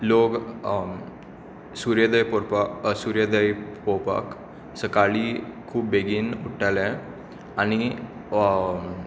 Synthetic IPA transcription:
loɡ | suɾjəd̪əjpopasuɾjəd̪əjpopa̰k | səkaɭikʰuːp̚beɡiːnuʈʰalɛ̃ | añi

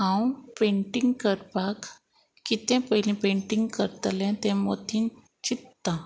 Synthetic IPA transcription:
ɦãwpeɳʈiŋɡkəɾpak | kːit̪ɛ̃pəjlĩpẽɳʈiŋɡkəɾt̪lɛ̃t̪ɛ̃mo̰t̪ʰin | t͡ɕit̪ːã

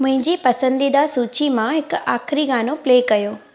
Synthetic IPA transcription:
mʊ̃ɦɪ̃ɲd͡ʑipɐsə̃nd̪id̪asuːt͡ɕimãɦɪkaːxɾiɡaːnopleːkɐjoː

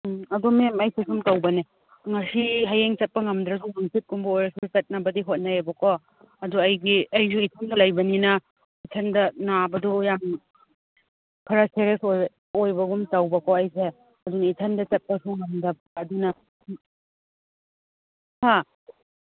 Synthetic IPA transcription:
ɐdomemɐjsesumtɐwbɐne | ŋɐsiɦajeŋt͡ʃɐt̚pɐŋɐmdɾɐsunuŋpit̚kumbɐojɾɐsut͡ʃɐt̚nɐbɐdiɦot̚naebɐkʰɔ | ɐduɐjɡiɐjzuitʰɐndɐlɐjbɐninɐ | itʰɐndɐnabɐdujam | pʰɐɾɐseɾesoj | ojbɐɡumtɐwbɐkɔɐjse | ɐdunɐitʰɐndɐt͡ʃɐt̚pɐsuŋɐmdɐbːdunɐ | ha

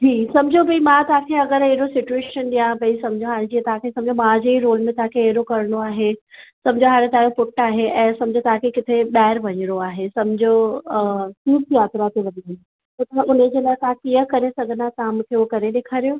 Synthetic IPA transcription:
d͡ʑʰiːsɐ̃md͡ʑʱobʱɐimãt̪ɐɦãkʰeɐɡəɾɦeɦɪɾosɪt͡ɕueːʃənɗijãbʱɐĩsɐmd͡ʑʱoɦaːɽɪ̃d͡ʑiət̪ɐɦãkʰesɐ̃md͡ʑʱomãd͡ʑeːiɾoːlmẽt̪ɐɦãkʰeɦeɦɾokɐɾɽ̃oaːɦesɐ̃md͡ʑʱoɦaːɾ̃ẽt̪ãjopʊʈːaːɦeʔɛ̃ːsɐ̃md͡ʑʱot̪ɐɦãkʰekɪt̪ʰeɓaːɪɾʋɐɲɾoaːɦesɐ̃md͡ʑʱo | siːjaːt̪ɾat̪ʰiʋɐɗ̪iən | t̪ɐt̪ɐʋ̤ãʔʊned͡ʑeːlaːt̪ɐɦãkijəkɐɾesɐɡʱə̃nd̪at̪ɐɦãmũːkʰeukɐɾeɗeːkʰaːɾijo

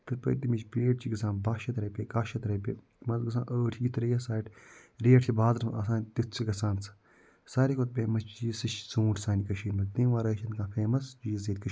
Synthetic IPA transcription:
t̪ɨɾpɐ̰jt̪imit͡ʃpeːʈt͡ʃiɡɐsãːnbaːʃɐt̪ɾɐpʲekaːʃɐt̪ɾɐpʲe | mɐzɡɨs̬ã̰ːʔəːʈʰiːt̪ʰɾɐjɐsaːʈɾeːʈʰt͡ʃibaːzɐɾɐsaːnt̪it̪t͡sʰiɡɐsãːnt͡sɨ̥ | saːɾʲikʰot̪̚bʲeːmɐt͡ʃt͡ʃisɨʃsũːʈʲsaːnʲikɐʃiːnmɐt̪ĩːʋaːɾɐːʃʰɐnkãːfʰeːmɐsd͡ʒizeːt̪̚ʲkɐʃ

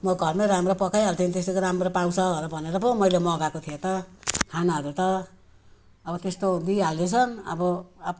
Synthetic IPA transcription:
mʌɡʱʌrmeɾamropʌkajɦalt̪ʰiot̪est̪ekoɾamrɾopaw̃sʰʌɾʌbʱʌneɾʌpʌmʌjlemʌɡakot̪ʰijet̪ʌkʰanaɦʌɾut̪ʌ | ʌbʌt̪est̪od̪iɦalesʰʌnʌ̰bʌap

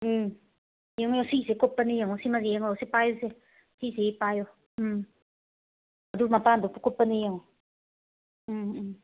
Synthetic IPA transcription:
jəŋjosisekopːənijəŋosimazijeŋjosipajose | siseipajo | ad̪umapand̪opukopːənijəŋo

